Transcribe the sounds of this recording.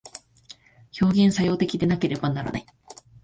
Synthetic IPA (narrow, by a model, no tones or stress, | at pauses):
ço̞ːɡʲẽ̞ɰ̃sajo̞ːt̪e̞kʲid̪e̞nake̞ɾe̞banaɾa̰na̰i